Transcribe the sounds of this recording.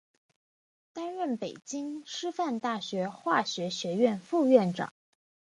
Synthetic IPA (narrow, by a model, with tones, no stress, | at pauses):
t̪a˥nɻə˥˩npe˨˩ɪt͡ɕi˥ŋʂɻ̩˥fa˥˧nt̪a˥˩ɕɥɛ˧˥xwa˥˩ɕɥɛ˧˥ɕɥɛ˧˥ɥɛ˥˧nfu˥˧ɥɛ˥˩nʈ͡ʂɑ̰˨˩˦ŋ